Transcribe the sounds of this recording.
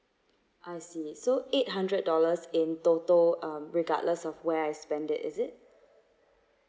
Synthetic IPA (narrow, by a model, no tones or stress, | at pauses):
ʔaɪsisoet̚ɦãndɹəd̚dɔləsɪ̃ntotəlʌ̃mɹiɡa̰dləsɔfwɛajspɛ̃ndɪ̰tɪ̰zɪt̚